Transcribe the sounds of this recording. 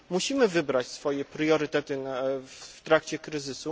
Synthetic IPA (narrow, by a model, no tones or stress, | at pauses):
muɕimɘvɘbɾat͡ɕsfɔjɛpɾjɔɾɘt̪ɛt̪ɘnat̪ɾakt͡ɕɛkɾɘzɘsu